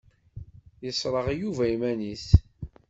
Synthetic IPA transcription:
jəsˤɾˤəʁjuvæimæniθ

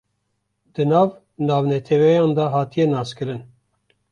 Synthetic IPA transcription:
d̪ɨnɑːv | nɑːvnɛt̪ʰɛvɛjɑːnd̪ɑɦɑːt̪ijɛnɑːskɨɾɨn

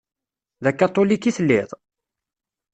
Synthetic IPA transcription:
ðækːɑt̪ˤːolikːiθəlːɪðˤ

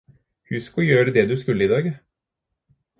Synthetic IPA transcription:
hʉskɔjøːɾəd̪ɛd̪ʉːskʉlːəiːd̪ɑːɡ

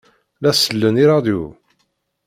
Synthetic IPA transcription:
læsəlːəniɾˤɑd̪jṵ

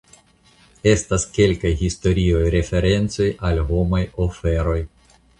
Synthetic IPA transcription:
e̞staske̞lkajhisto̞ɾio̞jɾe̞fe̞ɾe̞nt͡so̞jalɦo̞majo̞fe̞ɾo̞j

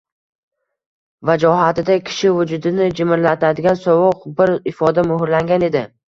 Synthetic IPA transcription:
vad͡ʒɒɦat̪ɪd̪akʲʰɪ̥ʃɪvʊd͡ʒʊd̪ɪnɪd͡ʒɪmɪɾlat̪ʰad̪ɪɡʲansɒwʊqbɪɾɪfɒd̪amʊhʊɾlaŋɡʲane̞d̪ɪ

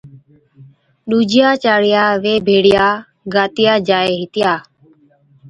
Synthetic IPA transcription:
ɗuːd͡ʒɪjaːt͡ʃaːɽɪjaːʋeːbʱeːɽɪjaː | ɡaːt̪ɪjaːd͡ʒaːeːɦɪt̪ɪjaː

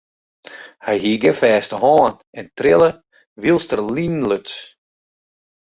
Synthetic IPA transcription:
hɛjɦiːɡəfɛːstəɦɔːn | ɛntrɪlˠə | ʋilˠstərlinløts

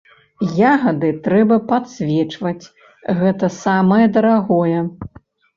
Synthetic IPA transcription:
jaɣɐd̪ɨt̪ɾɛbɐpat̪sʲvʲɛt͡ʂvɐt͡sʲ | ɣɛt̪ɐsamɐjɛd̪ɐɾaɣɔjɛ

